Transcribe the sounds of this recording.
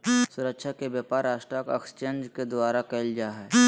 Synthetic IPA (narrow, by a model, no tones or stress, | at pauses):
sʊɾəkʃʰakebjaːpaːɾːaːʃʈɾakekst͡ʃeːnd͡ʒked̪ʋaːɾakɐɪld͡ʒaːɦɛ